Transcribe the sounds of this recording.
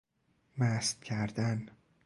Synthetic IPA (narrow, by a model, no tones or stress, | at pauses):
mæst̪̚cʰæɾd̪æn